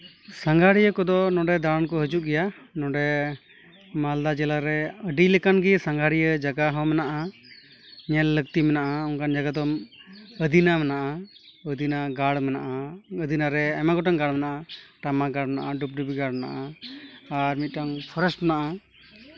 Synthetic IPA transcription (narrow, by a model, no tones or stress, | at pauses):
saŋɡʱaɽijəkɔd̪ɔnɔ̃ɖɛd̪aɾankɔɦəd͡ʒuʔɡɛja | nɔ̃ɖɛ | mald̪ad͡ʒɛlaɾɛəɖiləkanɡisaŋɡʱaɽijəd͡ʒaɡaɦɔmɛnaʔa | ɲɛlːək̚t̪imɛnaʔaɔŋkand͡ʒaɡad̪ɔməd̪inamɛnaʔa | əd̪ʱinaɡaɽmɛnaʔaəd̪ʱinaɾɛamaɡɔʈaŋɡaɽmɛnaʔaʈamaɡaɽmɛna̰ʔaɖup̚ɖubiɡaɽmɛna̰ʔa | aɾmit̪̚ˀʈaŋpʰɔɾɛsʈnaʔa